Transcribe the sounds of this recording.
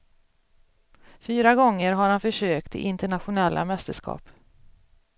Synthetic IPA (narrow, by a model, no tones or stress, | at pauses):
fyːɾaɡɔŋːəɾɦaɾhanfœʂøːkt̪ʰɪ̰ʔɪnt̪əɳat̪ɧʊnɛlːʔa̰mɛst̪əʂkʰɑ̰ːp